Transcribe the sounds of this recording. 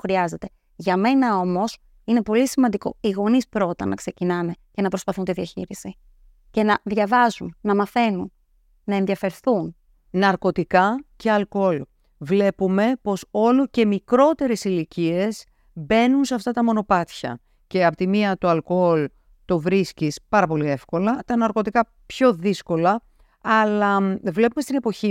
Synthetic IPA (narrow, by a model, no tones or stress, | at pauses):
xɾiɐze̞t̪e̞ | ʝɐme̞nɐo̞mo̞s | ine̞po̞lisimɐnd̪iko̞̰iɣo̞nispɾo̞t̪ɐnʔɐkse̞cinɐne̞ce̞nɐpɾospɐθunt̪iðiɐçiɾisi | ce̞nɐðʝɐvɐzunːɐmɐθe̞nunː | ɐe̞nðiɐfe̞ɾθun | nɐɾko̞t̪ikɐce̞ɐlko̞l | vle̞pume̞po̞so̞loce̞mikɾo̞t̪e̞ɾe̞silicie̞s | be̞nunseɐft̪ɐt̪ɐmo̞no̞pɐt̪çɐ̰ | ce̞ɐpot̪imiɐt̪oɐlkool | t̪o̞vɾiscispɐɾɐpo̞lie̞fko̞lɐt̪ɐnɐɾko̞t̪ikɐ | pço̞ðisko̞lɐ | ɐlɐvle̞pumest̪ine̞po̞çi